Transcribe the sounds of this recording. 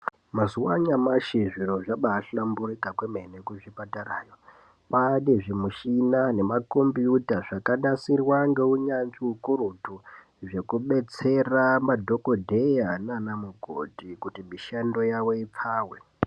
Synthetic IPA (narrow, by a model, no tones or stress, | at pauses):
mazuwaɲamaʃiʐiroʐaɓaːɬamburikakwemenekuʐipataraːjo | paneʐimuʃinane̞mako̞mbiutaʐakaɗasirwaŋɡe̞uɲanʐiukurutu | ʐe̞kuɓe̞t͡se̞ramadʱo̞ko̞dʱejananamuɡʱo̰tikutimiʃando̞jawo̞ip͡fʰaːwḛ